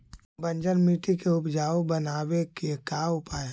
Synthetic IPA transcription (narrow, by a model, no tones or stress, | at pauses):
bə̃ɲd͡ʒənmiːʈikeʊpd͡ʒaːobənaːwekekaːʊpaː